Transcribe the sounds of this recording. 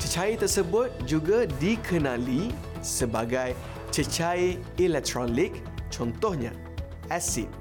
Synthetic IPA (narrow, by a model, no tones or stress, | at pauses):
t͡ʃət͡ʃait̪ərsəbʊt̪̚d͡ʒuɡadikʰənãli | səbaɡaj | t͡ʃət͡ʃai | ilɛk̚t̪ɾɔlik | t͡ʃɔnt̪ɔhɲã̰ | ɛsḭt̪̚